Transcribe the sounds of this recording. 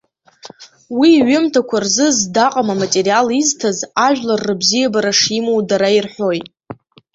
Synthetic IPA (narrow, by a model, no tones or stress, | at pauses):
wiːɥʊmtʰakʷʰarzɨzdaqʼamamatʼerijaliztʰazaʒᶣlarːɨbzijabaɾaʂimowdaɾairħʷo̞jtʼ